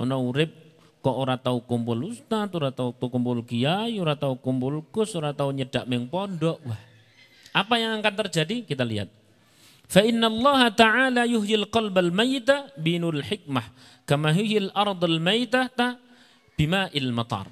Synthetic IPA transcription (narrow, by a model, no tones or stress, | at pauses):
nauɾɪb̚ | kɔʔoɾat̪aukumpʊlust̪at̪uɾat̪aut̪ukumpʊlɡijajuɾat̪aukumpʊlɡʊsoɾat̪auɲədaʔmɪŋpɔndɔʔwah | ʔapajaŋaŋkant̪ərd͡ʒadikit̪alḭɦa̰t̪̚ | faʔɪnːalˤːɑɦat̪aʕalajʊɦjilqɑlbalmajːɪt̪abinulħɪk̚mah | kamaɦijalʔɑɾˤd̪ˤalmajt̪at̪a | b̥imaʔɪlmɑt̪ˤɑ̰rˤ